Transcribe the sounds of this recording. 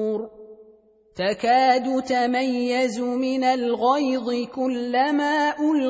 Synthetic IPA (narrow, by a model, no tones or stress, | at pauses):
ɾ | t̪akaːd̪ʊt̪amajːazʊmɪnalɣɑjd̪ˤɨkʊlːamaːʔʊl